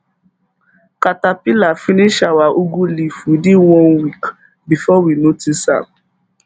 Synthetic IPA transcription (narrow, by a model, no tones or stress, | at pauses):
katapilafĩnĩʃawaʔoɡũlifudewɔ̃nwik | bifɔwinotisa̰b̚